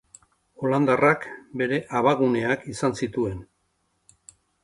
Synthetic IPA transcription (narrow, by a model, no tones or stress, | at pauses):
o̞land̪arakbe̞ɾe̞ʔaβaɣune̞akisansit̪ue̞n